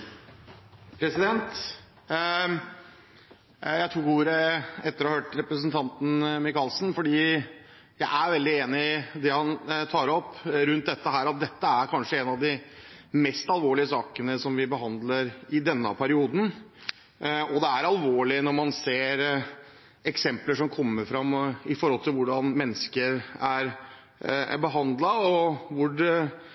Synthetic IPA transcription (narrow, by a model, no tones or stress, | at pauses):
pʰɾɛsɪd̪ɛnt̪ | jæɪt̪ʰɾuːɡuːɾəɛt̪ːəɾɔhɑhøːʈɾɛpɾəsənt̪ʰɑnt̪n̩mɪkɑlsn̩fɔɖiː | jæɪʔæɾʋɛld̪ɪeːnɪɪd̪ɛhɑnt̪ʰɑːɾɔpːɾʉnt̪̚d̪ɛt̪ːəɦæːɾɑt̪̚d̪ɛt̪ːəæɾkʰɑnʂəɛnɑʋd̪ɪmɛst̪ɑlʋoːɭɪəsɑːkənəsɔmʋɪbəɦɑnd̪ləɾɪd̪ɛnːə̰pʰæɾɪuːd̪n̩ | ɔd̪ɛæɾɑlʋoːɭɪənɔɾmɑnseːɾ | ɛksɛmpləʂɔmkʰɔmːəɾfɾɑmɪfɔɾhɔlt̪ɪlʋʊɖɑnmɛnːəskəɾæɾ | bəɦɑnd̪lɑɔʋʊɖ